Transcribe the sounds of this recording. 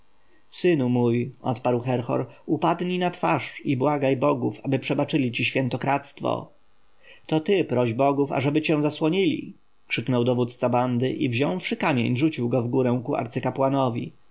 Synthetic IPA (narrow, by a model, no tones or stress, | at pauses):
sɘnumujɔ̰t̪paɾwxɛɾxɔ̰ɾupad̪ɲinat̪faʂibwaɡajbɔɡufabɘpʂɛbat͡ʂɘlʲit͡ɕiɕfʲjɛnt̪ɔkɾat̪st̪fɔ̰ | t̪ɔt̪ɘpɾɔʑbɔɡufa̰ʐɛbɘt͡ɕɛ̃w̃zaswɔɲilʲḭ | kʂɘknɔwd̪ɔvut̪t̪saband̪ɘʔivʑɔ̃w̃fʂɘkamʲjḛɲʐut͡ɕiwɡɔvɡuɾɛ̃w̃kua̰ɾt̪sɘkapwanɔvʲḭ